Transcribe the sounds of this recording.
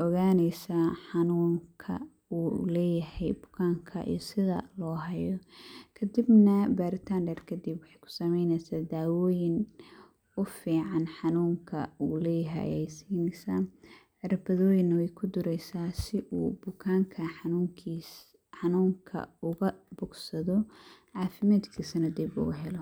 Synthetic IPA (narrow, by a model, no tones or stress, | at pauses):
ʔɔɣaːnɛjsaːħɑnuːŋkʰɐ̰ | uːlɛːjɐhɛjbʊ̥kʰaːŋkʰɐ̰ʔḭjɔsɪðɐ̰lɔːɦɐjɔkʰɐd̪ɪbnɐbaːɾɪt̪ʰaːnɖɛrkʰɐd̪ibwɑħɑjkʰʊ̥sɐmɛjnɛsaːd̪aːwɔːjɪn | ʊfiːʕɑnħɑnuːŋkʰɐ̰uːlɛjɦɛ̰ɛjsiːnɛsaːʕɪɾɐbɐðɔːjɪnːɐwɛjkʰʊd̪ʊɾɛjsaːsɪʔuːbʊkʰaːŋkʰɐħɑnuŋʰi | ħɑnuːŋkʰɐ̰ʊɣɐbʊɡsɐðɔʕɑːfɪmaːd̪kʰiːsɐnɐd̪ibʊ̰ɣɐɦɛlɔ